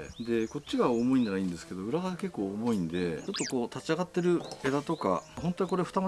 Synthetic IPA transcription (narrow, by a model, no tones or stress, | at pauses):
d̪e̞ko̞t͡ɕːiɡaomo̞ĩnd̪anaĩnd̪e̞sɨ̥ke̞d̪o̞ɯ̟ɾaɡake̞kːo̞ːmo̞ĩnd̪e̞t͡ɕo̞t̪ːo̞ko̞ːt̪at͡ɕiaɡat̪ːe̞ɾɯ̟e̞d̪at̪o̞ka̰ɦõ̞nt̪o̞iko̞ɾe̞ɸɯ̟t̪ama